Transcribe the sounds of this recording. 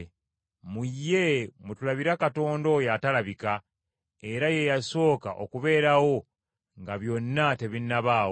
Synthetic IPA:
mujːe̞mutulaβiɾakato̞ːndo̞jatalaβika | e̞ɾaje̞jaso̞ːkaʔo̞̰kuβe̞ːɾawo̞ | ŋɡaβjo̞nːate̞βinːaβaːwo

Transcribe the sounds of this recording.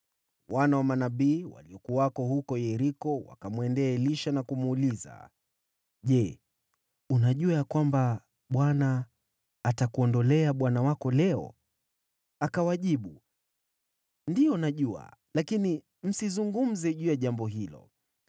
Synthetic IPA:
wanawamanaɓiːwa̰liɔkuaakɔhukɔjɛɾikɔwa̰kamwɛndɛɛliʃanakumuːliza̰ | ʄɛ | unaʄuajakwamba | ɓwanaː | takuɔndɔlɛaɓwanawakɔlɛɔ̰ | akawaʄiɓu | ndijɔnaʄua̰lakini | m̩sizuŋɡum̩zɛʄujaʄambɔɦilɔ̰

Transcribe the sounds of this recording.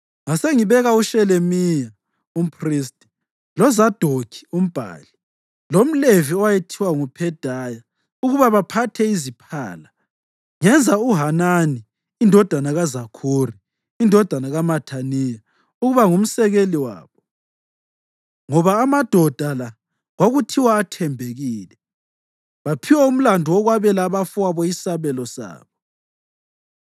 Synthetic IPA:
ŋaseŋiβɛɣauʃɛlemija | um̩pʰris̬tʼi̥ | lɔzad̥ʱokʰi̥um̩b̥ʱa̰ːli | lom̩leviɔwajetʰiwaŋupʰɛd̥ʱaja | uɣuβaβapʰatʰɛizipʰa̰ːla | ŋɛnd͡zʱauɦananiː | ndʱɔd̥ʱanaɣazakʰuriː | ndʱɔd̥ʱanaɣamatʰanija | uɣuβaŋum̩sɛɣeliwa̰ːβɔ | ŋɔβaːmad̥ʱɔd̥ʱala | ɣwaɣutʰiwaːtʰɛmbʱeɣiːlɛ | βapʰiwaum̩landʱuwɔɣwaβɛlaːβafuaβɔisaβɛlɔsa̰ːβɔ

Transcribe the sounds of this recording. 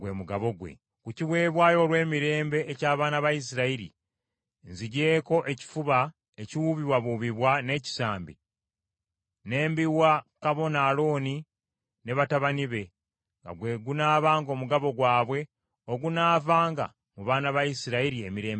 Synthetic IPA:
ɡwe̞muɡaβo̞ɡwḛ | kuciwe̞ːβwaːjo̞ːlwe̞ːmiɾe̞ːmbe̞ʔːcaːβaːnaβajis̬iɾaiɾḭ | nziɟe̞ːko̞ʔe̞ci̥fuβa | eciwuβiwaβuβiβwane̞ci̥saːmbi | ne̞ːmbiwakaβo̞naːlo̞ːni | ne̞βataβaniβe̞ | ŋɡa̰ɡwe̞ɡunaːβaːŋɡo̞ːmuɡaβo̞ɡwaːβwe̞ | o̞ɡunaːvaːŋɡa̰ | muβaːnaβajisiɾaiɾiemiɾe̞ːmb

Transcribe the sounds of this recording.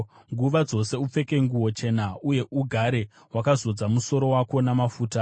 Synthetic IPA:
ŋɡuʋad͡zo̞se̞up͡fe̞ke̞ŋɡuwo̞t͡ʃe̞nauje̞ʔuɡʱaɾe̞ | wakazo̞d͡zamuso̞ɾo̞wako̞namafuːta

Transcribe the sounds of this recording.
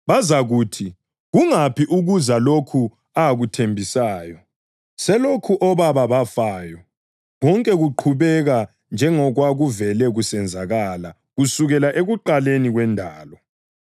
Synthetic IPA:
βazaɣuːtʰi | ɣuŋapʰiʔuɣuzalokʰu | aɣutʰembʱisaːjɔ | sɛlokʰuʔɔβaβaβafaːjɔ | ɣɔŋkʼɛɣuǃʰuβɛɣa | nd͡ʒʱɛŋɔɣwaɣuvɛlɛɣusɛnd͡zʱaɣala | ɣusuɣɛlaʔeɣuǃaleniɣwɛndʱaːlɔ

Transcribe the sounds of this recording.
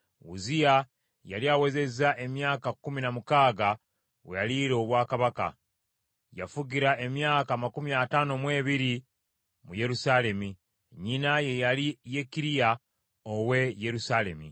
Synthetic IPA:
ṵzija | ja̰liawe̞ze̞zaʔe̞mjaːkakːuminamukaːɡa | wejaliɾo̞βwaːkaβaka̰ | ja̰fuɟiɾaʔe̞mjaːkamakumiataːno̞mwe̞ːβiɾi | muje̞ɾusale̞mi | ɲinajejalije̞kiɾija | owe̞je̞ɾusale̞̰mḭ

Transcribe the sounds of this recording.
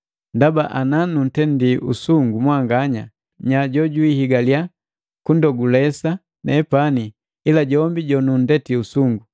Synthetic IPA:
ndabaʔananun̩tɛndiṵsuŋɡumwaŋɡaɲa | ɲaɟɔɟuwihiɡalja | kundɔɡulɛsa | nɛpani | ilaɟɔmbiɟɔnundɛtiusuŋɡu

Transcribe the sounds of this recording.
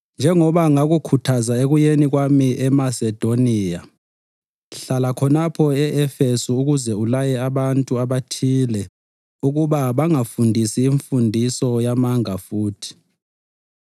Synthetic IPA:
nd͡ʒʱɛŋɔβaŋaɣukʰutʰazaeɣujeniɣwamiʔɛmasɛd̥ʱoniːja | ɬalakʰɔnapʰɔɛɛfesuːuɣuzɛulajɛaβantʼuaβatʰilɛ | uɣuβaβaŋafundʱisiːɱfundʱisɔjamaŋafuːtʰi̥

